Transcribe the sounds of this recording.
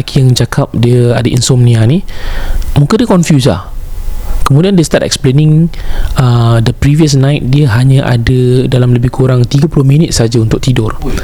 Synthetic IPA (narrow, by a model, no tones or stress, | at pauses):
kʰijaŋt͡ʃakʰap̚diəadəʔḭnsɔmnĩani | mũkadəkɔnfjus̬la̰h | kəmũdiandest̪atɛ̰k̚splenĩŋədəpɾiviəs̬nãjt̪̚diəɦaɲãʔa̰dədalamləbɪhkʰuɾaŋt̪iɡəpulʊhmĩnət̪̚saad͡ʒaunt̪ʊk̚t̪idʊr